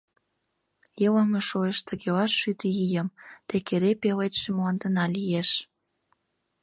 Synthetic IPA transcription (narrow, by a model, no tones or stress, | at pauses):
jələmeʃoeʃt̪ʰə̆ɣeɑʃːyt̪ijijə̆mt̪ekeɾepelet̪ʃĕmoɑnd̪ə̆nɑlijeʃ